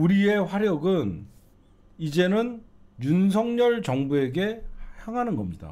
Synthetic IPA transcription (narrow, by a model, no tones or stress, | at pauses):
uɾie̞ɸwaɾjʌɡɯn | id͡ʑe̞nɯnjuns̬ʰʌŋɲʌɭt͡ɕʌŋbue̞ɡe̞haŋɦanɯnɡʌmɲida̰